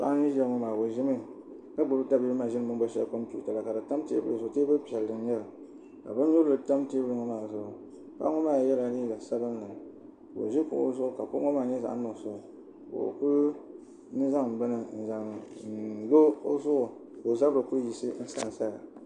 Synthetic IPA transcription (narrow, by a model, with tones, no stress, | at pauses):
sa̰˨ʔa˦i˦ʒɛ˦ŋɔ˨maː˨bo˨ʒɪ˦mɨ˦ | ka˦bʊ˨˦bɨ˦da˦bi˦ɨ˦ma˨ʒɪ˦n˦mɨ˦ŋba˦ʃɛ˦ko˦m˦tṵ˦˨ta˨la˨ka˨dɨ˨ta˦m˦tḭ˨˦bɨ˦ɨ˨zʊ˨teː˦bɨ˦pi˨ɛ˨ldɨ˨n˦jɛ˦lɨ˨ | ka̰˨bɨ˦n˦ɲu˦ldɨ˨ta˦m˦ti˦bɨ˦ɾɨ˨ŋo˦ma˨zʊ˦ʔʊ˨ | ka̰˦ŋɔ˦maː˦˨jɛ˦la˨˦li˦da˨sa˦bɨ˦n˦la˨ | bo̰˨ʒi˦pʊ̰˨ʔo̰˦zʊ˦ʔʊ˨ka˨po˦ŋɔ˦maː˦˨ɲɛ˦za̰˨ʔnʊ˨sʊ˦˨ʊ˨ | kʊ̰˨ʔʊ̰˨ku˦ | nɨ˦za˦ŋm̩˨bɨ˦nɨ˨n̩˨za˨ŋ˨n̩˨lo˦o˦zʊ˦ʔʊ˨ | ko˨za˦bɾɨ˨ku˦ji˨sɨ˦n̩˦sa̰˨n˨sa˦la˨